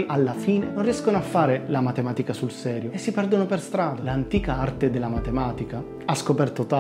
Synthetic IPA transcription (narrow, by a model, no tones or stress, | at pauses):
jalːafiːnenonrijɛskonoafːaːɾelamat̪emaːt̪ikasulsɛːɾjoesːipɛrd̪onoperst̪ɾaːd̪alant̪iːkaart̪ed̪elːamat̪emaːt̪ika | askopɛrt̪ot̪a